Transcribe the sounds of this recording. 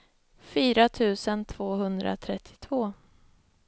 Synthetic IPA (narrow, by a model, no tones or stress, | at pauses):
fyːɾat̪ʰʉ̟ːsənt̪ʰv̥oːɦɵnd̪ɾʔa̰t̪ʰɾɛt̪ʰːɪ̥t̪ʰvoː